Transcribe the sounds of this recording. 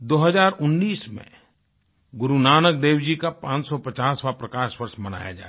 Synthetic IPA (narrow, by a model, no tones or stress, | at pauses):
d̪oːɦəzaːɾʊnːiːsmḛ̃ | ɡʊɾunaːnək̚d̪eːwd͡ʒikapãːt͡ʃsɔpɐt͡ʃaːswapɾɐkaːʃwɐɾʃmɐna̰ːja̰d͡ʒa̰ːe